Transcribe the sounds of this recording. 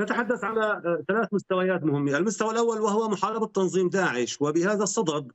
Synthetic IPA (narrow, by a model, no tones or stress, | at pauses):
nat̪aħad̪ːaθʕalaθalaːθmʊst̪awajaːt̪mʊhɪmːaʔalmʊst̪awalʔawːalwahʊwamʊħɑːɾɪbɪt̪ːɑnðˤiːmd̪aːʕɪʃwɪbɪhaːðasˤːɑd̪ɑb